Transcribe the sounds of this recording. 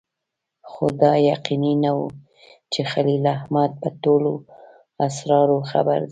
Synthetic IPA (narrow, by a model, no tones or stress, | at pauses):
xod̪ɑjaqininawu | t͡ʃexalilahmad̪̚pətolo | asɾɑɾoxa̰ba̰ɾd̪